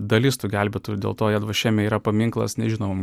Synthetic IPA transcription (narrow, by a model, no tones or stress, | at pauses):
d̪ɐlʲɪst̪uːɡʲælʲbʲet̪ʊd̪ʲḛːlˠt̪oːjɛd̪ʋɐʃʲɛːmʲɛiːɾɐpɐmʲɪŋklˠɐ̰snʲɛʒʲɪnoːʋoːm